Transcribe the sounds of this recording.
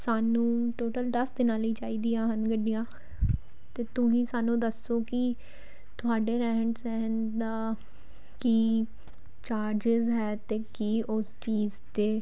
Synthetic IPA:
saːnũːʈoːʈəld̪əsd̪ɪnãːliːt͡ʃaːiːd̪ijãːɦənɡəɖɪjãː | t̪eːt̪ʊĩːsaːnũːd̪əsːoːkɪ | t̪ʊaːɖeːɾɛːəɳʈsɛɦənd̪aː | kiː | t͡ʃaːɾd͡ʒɪzɦɛːt̪eːkiːʔʊst͡ʃiːzt̪eː

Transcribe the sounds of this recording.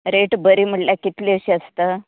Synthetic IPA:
ɾeʈbəɾiːm̤əɭʈljakit̪liəɕiːəst̪əː

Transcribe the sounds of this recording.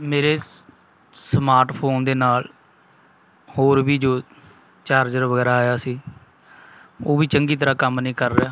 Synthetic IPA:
meːɾeː | smaːɾʈpʰoːnd̪eːnaːl | hoːɾʋiːd͡ʒoː | t͡ʃaːɾd͡ʒəɾʋəɡɛːɾaːaːjaːsiː | oːʋiːt͡ʃəŋɡiːt̪̬əɾaːkəmnəĩːkəɾːejaː

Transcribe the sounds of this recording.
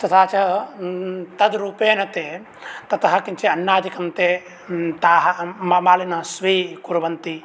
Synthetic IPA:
t̪ɐt̪ʰaːt͡ʃɐ | t̪ɐd̪ɾuːpeːnɐt̪eː | t̪ɐt̪ɐɦɐ̆kiɲt͡ʃeɐnːaːd̪ikɐmt̪eː | t̪aːɦɐmɐmaːlinɐsʋiːkuɾʋɐnt̪i

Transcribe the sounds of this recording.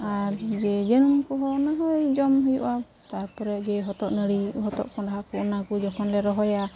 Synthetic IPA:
aɾd͡ʒɛd͡ʒənumkɔɦɔnaɦɔjd͡ʒɔmɦujuʔa | t̪aɾpɔɾɛd͡ʒɛɦɔt̪ɔʔnəɽiɦɔt̪ɔ̰ʔkɔɖaɦakuʔnakud͡ʒɔkʰɔnlɛɾɔɦɔja

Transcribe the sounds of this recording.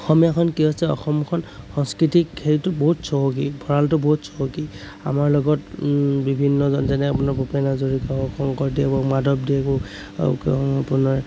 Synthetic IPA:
ɔxɔmjakʰɔnkiɦosɛɔ̰xɔmkʰɔnxɔŋskɹitikʰːetʊbɔɦutsɔɦɔkibʱɔɹaltʊbɔɦutsɔɦɔki | a̰maɹlɔɡɔtbibʱinːɔzɔnzɛnɛapunaɹbɔpanazoɹikabɔkʰɔŋkɔɹdiɛbɔmadʱɔpdiɛkɔ | apunaɹ

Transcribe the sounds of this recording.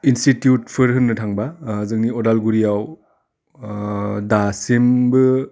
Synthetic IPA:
institjut̚pʰɯɾɦɯnːɯtʰaŋbazɯŋniɔdalɡuɾijaw | dasimbɯ

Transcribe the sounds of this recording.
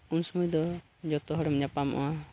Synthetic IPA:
unsɔmujd̪ɔ | d͡ʒɔt̪ɔɦɔɽɔmɲapamʔɔ̰a

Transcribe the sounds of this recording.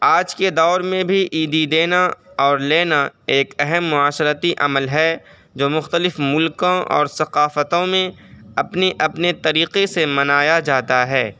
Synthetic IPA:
aːd͡ʒked̪ɔːɾmẽbʱiʔiːd̪id̪eːnaɔːɾleːnaeːkɛɦɛmːʊaːʃəɾət̪iʔɐməlɦɛ | d͡ʒoːmʊxt̪əlɪfmʊlkõɔ̰ːɾsɐqaːfət̪õmẽɐpneʔɐpnet̪ɐɾiːqesemɐnaːjad͡ʒaːt̪aɦɛː

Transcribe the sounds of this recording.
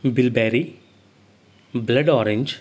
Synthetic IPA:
bilbɛːɾi | blɐɖɔːɾeɲd͡ʒ

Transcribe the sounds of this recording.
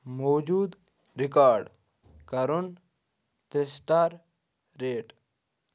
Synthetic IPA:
moːd͡ʒuːd̪ | ɾɪkaːɾɖ | kɐɾun | t̪ɾɪsʈaːɾ | ɾeːʈ

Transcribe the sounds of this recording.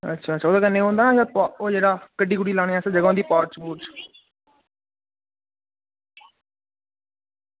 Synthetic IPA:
ə̰tːʃʰaːətːʃʰaːoːd̪akənːẽːɦõːnd̪ãːjapːoːd͡ʒeːɽaːkəɖiːkʊɽiːlaːɽ̃eːaːsd͡ʒəɡãːd̪iːpaːɾt͡ʃbuːʈt͡ʃ

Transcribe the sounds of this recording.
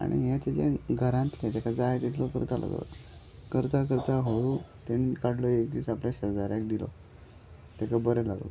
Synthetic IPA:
a̰ɽ̃ḭɦet̪ed͡ʑeɡʱəɾãnt̪let̪akʰad͡zaet̪it̪ʰlɔkə̰ɾt̪ala̰ɡlo̰ | kəɾt̪ak̬əɾt̪aɦoɭut̪eñikaɽ̤lɔekd̪iːt͡sapljaɕəd͡zaɾjãk̚d̪ilɔ̰ | t̪ɛkabəɾɛlaɡlo̰

